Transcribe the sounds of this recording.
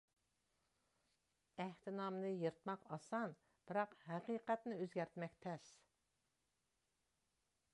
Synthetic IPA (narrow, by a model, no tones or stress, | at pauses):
æht̪ʰɪnɑmnɨjɨɾt̪mɑqɑsɑn | b̥ɪɾɑqhæqiːqæt̪nɨøzɡʲæɾt̪mɛkʲt̪ʰɛs